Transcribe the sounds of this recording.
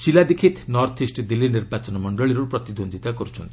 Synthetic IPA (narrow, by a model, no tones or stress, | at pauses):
silad̪ekʰit̪nɔɾt̪ʰisʈd̪ilːiniɾbat͡ʃɔnɔmɔɳɖɔɭiɾupɾɔt̪id̪ond̪ʱit̪akɔɾut͡ʃʰɔnt̪ʰi̥